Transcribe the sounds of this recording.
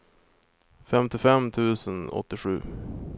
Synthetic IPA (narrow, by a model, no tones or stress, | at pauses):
fɛmt̪ɪfɛmt̪ʰʉ̟ːsənɔ̰t̪ːɪɧʉ̟ː